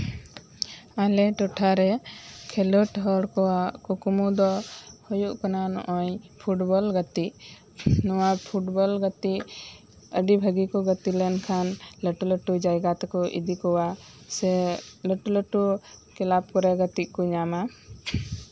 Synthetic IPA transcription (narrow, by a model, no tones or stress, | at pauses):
alɛʈɔʈʰaɾɛkʰɛlɔʈɦɔɽkɔwaʔkɔkumud̪ɔhɔjuʔkɔnanɔ̰ʔɔ̃jpʰuʈbɔlɡət̪iʔ | nɔwapʰuʈbɔlɡət̪iʔ | əɖibʱəɡikɔɡət̪ilɛnkʰanləʈuləʈud͡ʒajɡat̪kɔʔḭd̪ikɔwa | sɛləʈuləʈukɛlap̚kɔɾɛɡət̪iʔkɔɲama